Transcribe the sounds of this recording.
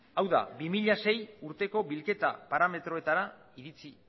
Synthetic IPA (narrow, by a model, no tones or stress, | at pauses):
awða̰bimiʎase̞juɾt̪e̞ko̞βilke̞t̪apaɾame̞t̪ɾo̞e̞t̪aɾa | iɾit͡si